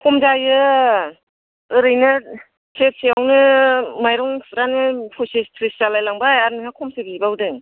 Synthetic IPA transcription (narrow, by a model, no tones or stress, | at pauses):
kʰɔmd͡ʒajɯ | ɯɾɯjnɯ | sʰep̚siawnɯmajɾɔŋsɾanɯpʰusipʰɾist͡ʃalajlaŋbajaɾnɯŋakʰɔmsɯbibawdɯŋ